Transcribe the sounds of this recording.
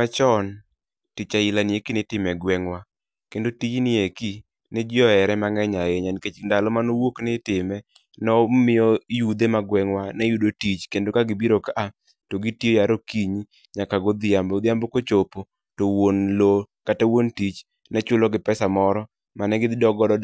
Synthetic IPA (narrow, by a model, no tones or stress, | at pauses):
kat͡ʃɔn | tit͡ʃaɪlanjekinɪtɪmɛɡwɛŋwa | kendotit͡ʃnɪeki | nɪd͡ʒɪɔɛɾɛmaŋɛɲaeɲanket͡ʃndalɔmanowoknɪtɪmɛ | nɔmɪjɔjud̪emaɡwɛŋwanɛjudotit͡ʃkendokaɡɪbiɾokaʔa | toɡitiojaɾokiɲi | ɲakaɡod̪ɪambɔd̪ɪambɔkot͡ʃopo | towonlokatawontit͡ʃ | nɛt͡ʃʊlɔɡɪpɛsamɔɾɔ | manɛɡɪd̪dɔɡɔdɔ